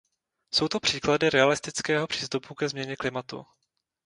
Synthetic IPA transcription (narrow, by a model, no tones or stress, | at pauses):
so̞wt̪o̞pr̥iːkladɪɾɛalɪst̪ɪt͡skɛːɦo̞pr̥i̥ːst̪upukɛzmɲɛɲɛklɪmat̪ṵ